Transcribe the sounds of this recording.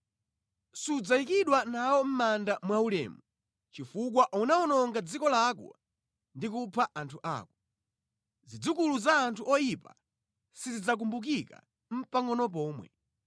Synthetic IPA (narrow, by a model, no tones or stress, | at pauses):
sud͡zaikiɗwanawɔm̩mandamwaulɛ̰ːmu | t͡ʃifuk̬waʔunaɔnɔŋɡad͡zikɔlakɔ̰ | ndikupʰaʔantʰuʔa̰ːkɔ | zid͡zukuluzaːntʰuʔɔjipa̰ | sizid͡zak̬umbuk̬ika̰ | m̩paŋɔnɔp̬ɔːmwɛ̰